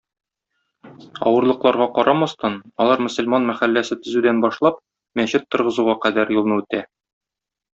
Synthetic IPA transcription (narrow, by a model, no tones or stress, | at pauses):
ɒ̰wɤ̆ɾlˠɤ̆qlˠɑɾʁɑqɒɾɑmɑst̪ɑnɒlˠɑɾmɵ̆sɵ̆lmɑnmæχælːæsɘt̪ɵ̆zʉd̪ænbɒʃlˠɑp̚ | mæɕɘt̪ːŏɾʁɤ̆zuʁɑqæd̪æɾjulˠnɤʉt̪æ